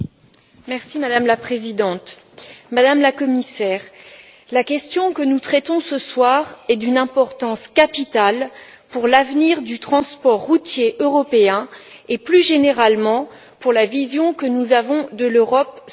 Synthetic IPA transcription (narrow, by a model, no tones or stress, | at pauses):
mɛʁsimad̪amlapχezid̪ɑ̃t̪ | mad̪amlakɔmisɛːʁ | lakʲɛst̪jɔ̃kənut̪χɛt̪ɔ̃səswaʁɛd̪ynɛ̃pɔʁt̪ɑ̃skapit̪al | puʁlavniʁd̪yt̪χɑ̃spɔʁːut̪jeʔøʁɔpeɛ̃ | eplyʒeneʁalmɑ̃ | puʁlavizjɔ̃kənuzavɔ̃d̪əløʁɔp